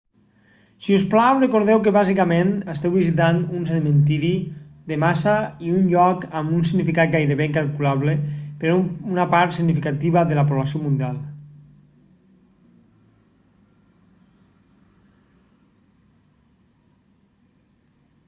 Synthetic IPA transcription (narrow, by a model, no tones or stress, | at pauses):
siusplawrekoɾð̞ɛwkeβazikamẽnəst̪ɛwβizit̪̬anunseðmẽnt̪iɾid̪emasaiunʎɔkambunsiɣnifikat̪̚ɡajɾeβeŋkalˠkulaβlepeɾunapaɾt̪siɡnifikat̪iβaðelapoβlasiomund̪ialˠ